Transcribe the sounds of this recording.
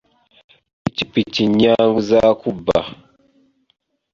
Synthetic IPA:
pitipitiɲaŋɡuzakuba̰

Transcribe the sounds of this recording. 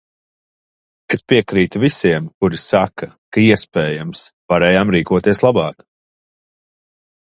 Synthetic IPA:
espiɛkɾiːt̪uvisiɛmkuɾisaka | kaiɛspɛːjamsvaɾɛːjaːmɾiːkuɔt̪iɛslˠabɑːk

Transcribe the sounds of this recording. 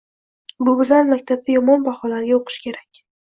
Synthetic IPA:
bʊbɪlanmakʲt̪ʰab̚t̪ajɒmɒnbaχɒlaɾɡʲaoqʰɨ̥ʃkʲʰe̞ɾakʲ

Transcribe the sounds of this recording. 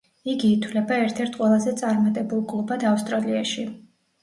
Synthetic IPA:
iɡiːt̪ʰwlɛbaɛɾt̪ʰɛɾt̪ʰqʼwɛlˠazɛt̪sʼaɾmat̪ʼɛbulˠɡʼlˠɔbad̪afst̪ʼɾaliaʃi

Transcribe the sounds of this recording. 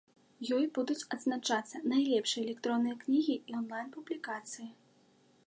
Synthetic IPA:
jɔjbud̪ut͡sʲɐd̪znat͡ʂat̪sːɐnajlʲɛpʂɨjɛlʲɛkt̪ɾɔnːɨjɐknʲiɣʲiiɔnlˠajnpublʲikat̪sɨji

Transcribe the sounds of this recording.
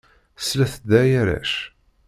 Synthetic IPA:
slæθəd̪æjæɾæ̰ʃ

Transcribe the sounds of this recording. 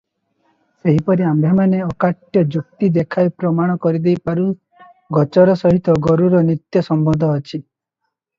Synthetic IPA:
seɦipɔɾiambʱemaneɔkaʈjɔd͡ʒuk̚t̪id̪ekʰajpɾɔmaɽ̃ɔkɔɾid̪ejpaɾu | ɡɔt͡ʃɔɾɔsɔɦit̪ɔɡɔɾuɾɔnit̪jɔsɔmbɔd̪ʱɔːt͡ʃʰi

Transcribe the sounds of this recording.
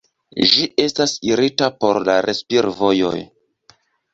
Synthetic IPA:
ʒiʔe̞stasiɾitapo̞ɾlaɾʔe̞spiɾvo̞jo̞̰j

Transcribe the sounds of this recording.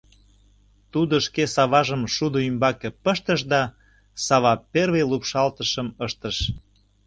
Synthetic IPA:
t̪ud̪oʃkesɑβɑʒəmʃud̪oymbɑkepəʃt̪əʃd̪ɑ | sɑβɑpervejlupʃɑlt̪əʃəməʃt̪əʃ

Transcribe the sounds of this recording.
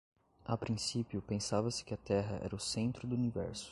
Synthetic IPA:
apɾĩsipjʊpẽsavɐsɪ̥kɪɐt̪ɛɦɐʔɛ̰ɾɐʊsẽnt̪ɾʊd̪ʊunivɛ̰ɾsʊ̥

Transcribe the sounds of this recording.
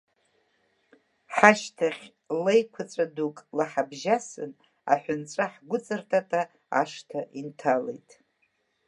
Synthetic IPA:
ħaʃtʰaχʲ | lejkʷʰat͡sʷʼadukʼlaħabʒasɨ̰n | a̰ħʷᶣʊnt͡sʷʼaħɡʷʊt͡sʼɨrtʰatʰʼa | aʂtʰaʔintʰalḛjtʼ

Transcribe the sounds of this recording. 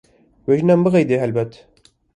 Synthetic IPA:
weʒɨnæmbɨɣɛjd̪eːɦɛlbɛt̪

